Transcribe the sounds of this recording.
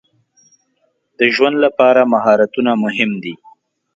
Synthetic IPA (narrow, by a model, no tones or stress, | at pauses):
d̪̥əʒwand̪lapɑɾamaɦɑɾat̪unamʊɦɪmd̪i